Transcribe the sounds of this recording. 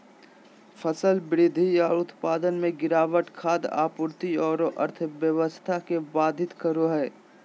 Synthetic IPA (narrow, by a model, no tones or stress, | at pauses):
fʰəsəlbɪɾɪd̪ʱiɔːɾʊt̪paːd̪ənmẽɡɪɾaːʋəʈkʰaːd̪a̰ːpʊɾt̪iɔːɾoʔəɾt̪ʰʋjəʋəst̪ʰakebaːd̪ʱɪt̪kəɾoɦɛː